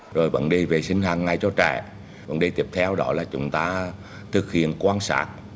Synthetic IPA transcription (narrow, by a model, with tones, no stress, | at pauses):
zo˨˩jvə̰˧˥nɗi˧ve˨˩sï˧ŋ̟haː˨˧˩ŋːa˨˧˩jt͡ɕɔ˧t͡ɕɛ̰ː˧˩ | və̰˧˥nɗi˧t̪i˨˧˩əp̚t̪ʰɛ˧wɗɔ˨˦laː˨˩t͡ɕʊ̰˨˦ŋ͡mt̪aː˧ | t̪ʰɨ˨˩k̚hḭ˧˨ənkwaː˧nsa̰ː˦˥t̚